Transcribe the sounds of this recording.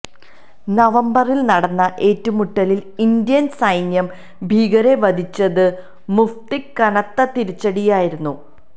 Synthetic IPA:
nɐʋɐmbɐrilnɐɽɐnːɐʔe̞ːtːumuʈːɐlilind̪jɐnsɐjnjɐm | bʱiːɡɐɾeʋɐd̪ʱit͡ɕːɐðɨ | muft̪ikːɐnɐt̪ːɐt̪iɾit͡ɕːɐɽijaːjiɾunːu

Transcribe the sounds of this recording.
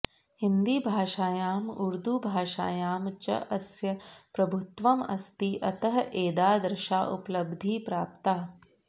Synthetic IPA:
hind̪iːbʱaːʃaːjaːmuɾd̪ubʱaːʃa̰ːjaːmt͡ʃɐ̰ʔɐsjɐpɾɐbʱʊt̪ʋɐmɐ̰st̪iʔɐt̪ɐɦɐʔeːd̪aːd̪ɾɪʃa̰ːʔuplɐbd̪ʱiːpɾaːpt̪aː

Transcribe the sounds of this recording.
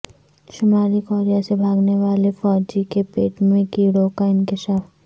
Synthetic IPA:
ʃʊmaːɾikɔːɾijasebʱaːɡneʋaːlefɔːd͡ʒikepeːʈmẽkiɽoːkaɪ̃nkɪʃaːf

